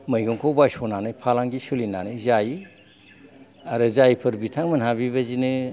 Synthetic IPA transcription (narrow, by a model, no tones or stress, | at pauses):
mɯjɡɯŋkʰɔbajsɔnanɯjpʰalaŋɡisɯlinanɯjzaji | aɾɯzajpʰɯɾbitʰaŋmɯnhaβiβazinɯ